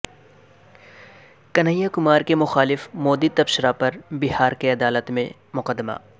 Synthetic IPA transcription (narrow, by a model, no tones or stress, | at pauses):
kɐnəjːakʊmaːɾkemʊxaːlɪfmoːd̪it̪ɐbʃɾapɐɾbɪɦaːɾkeɐd̪aːlət̪mẽ | mʊqəd̪ːma̰ː